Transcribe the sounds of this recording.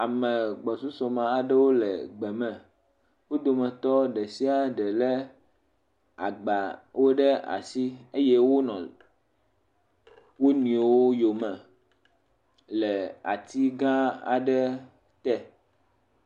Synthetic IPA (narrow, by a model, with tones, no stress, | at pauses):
a˨mɛ̃˨ɡ͡bɔ˨su˦sɔ˨mã˨a˨ɖɛ˦wo˦lɛ̰˨ɡ͡bɛ˨mɛ̃˨ | wo˦d̪o˨mɛ̃˨t̪ɔ˦ɖɛ˨si˦a˨ɖɛ˨lɛ˦ | a̰˨ɡ͡ba˨wo˦ɖɛ˦a̰˨si˦e˦je˦wo˦nɔ̃˨ | wo˦nĩ˨˦wo˦jo˨mɛ̃˨ | lɛ˨a̰˨t̪ʰi˦ɡã˦a̰˨ɖɛ˦ | t̪ɛ˦